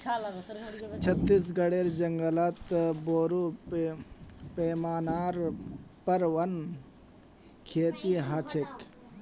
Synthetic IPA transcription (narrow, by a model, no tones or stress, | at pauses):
t͡ʃʰɐt̪ːis̬ɡɐɽeːɾd͡ʒɐŋɡəlɐt̪boːɾu | peːmaːnaːɾpɐɾʋɐn | kʰeːt̪iɦat͡ʃʰek